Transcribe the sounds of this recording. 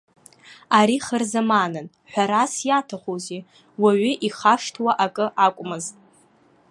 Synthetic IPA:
aɾiχərzamanɨn | ħʷᶣaɾasjatʰaχozi | waɥʏʔiχaʂtʰwaʔakʼɨʔakʷʼmɨztʼ

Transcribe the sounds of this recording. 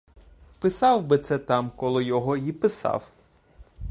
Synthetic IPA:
pɪsɑwbɪt̪sɛt̪ɑmkɔlˠɔjɔɦɔipɪsɑ̰w

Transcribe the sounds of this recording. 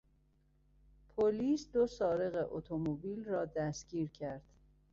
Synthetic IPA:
pʰoliːsd̪osɒːɾeɣeʔot̪ʰomobiːlrɒːd̪æsɡiːɾcʰæɾd̪̥

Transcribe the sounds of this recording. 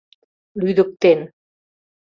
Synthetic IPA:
lyðə̆k̚t̪en

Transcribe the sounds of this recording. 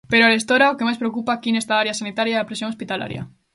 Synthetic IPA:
peɾoaɾest̪oɾaokemajspɾeokupaːkinest̪aaɾjasanit̪aɾjaɐpɾes̬joŋospit̪ala̰ɾjɐ̰

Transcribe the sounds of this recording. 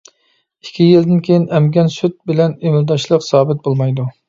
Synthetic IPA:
ikʲʰːijild̪ɪnkʲʰejɪnɛmɡʲɛnsyt̪̚bɪlɛnemɪld̪ɑʃlˠəqsɑːbɪt̪̚bolˠmɑjd̪u

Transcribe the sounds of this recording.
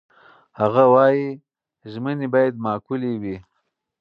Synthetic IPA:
haɣawɑji | ʒmənebɑːjad̪̚mɑːkulewi

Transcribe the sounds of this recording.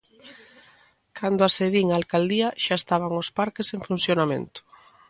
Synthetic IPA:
kʰand̪oaseðiŋaːlkald̪iaʃaest̪aβaŋospaɾkeseŋfunθjonamḛ̃nt̪ʊ̥

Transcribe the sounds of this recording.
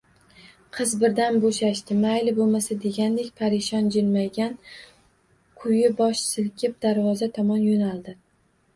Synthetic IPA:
qʰɨzbɪɾd̪anboʃaʃt̪ɪmajlɪbolˠmasad̪e̞ɡʲand̪ekʲpʰaɾɪʃɒnd͡ʒɪlmajɡʲan | kʰʊjɪbɒʃsɪlkʲʰɪp̚d̪aɾvɒzat̪ʰɒmɒnjonalˠd̪ɪ

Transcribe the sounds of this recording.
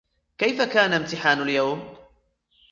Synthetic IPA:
kajfakaːnamt̪ɪħaːnaljawm

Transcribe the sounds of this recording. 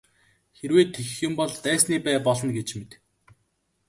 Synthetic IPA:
xeɾweːt̪ʰːexɘ̆xjʊ̆mpɔɮt̪æːsniːpæːpɔɮɞ̆nɡet͡ɕmet̪

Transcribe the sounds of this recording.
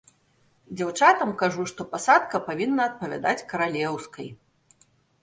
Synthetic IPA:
d͡zʲawt͡ʂat̪ɐmkaʐuʂt̪ɔpasat̪kɐpavʲinːɐːt̪̚pɐvʲa̰d̪at͡sʲkɐɾalʲɛwskɐj

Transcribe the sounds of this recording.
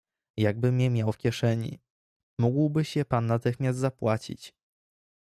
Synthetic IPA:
jaɡ̚bɘmʲɛmʲjawfkʲɛʂɛɲḭ | muɡwbɘɕɛpanːat̪ɘxmʲjast̪zapwat͡ɕḭt͡ɕ

